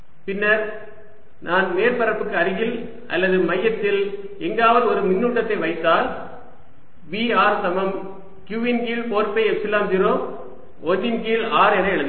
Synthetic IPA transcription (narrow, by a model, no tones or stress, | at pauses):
pɪnːɐɾ | nʔaːnmeːɾpɐɾɐpːɯkːɯɐɾɯɣɪl | ʔɐ̰lːɐðɯmɐjːɐt̪ːɪl | ɛŋɡaːʋɐðɔɾɯmɪnːuːʈːɐt̪ːɐɪʋɐɪt̪ːaːl | ʋiːaːɾsɐmɐm | kjuːʋɪnkiːlpoːɾpɐɪɛpsɪlaːmt̪ɪɾoːm | ɔnːɪnkiːlaːɾɛnɐɛɭɯnd̪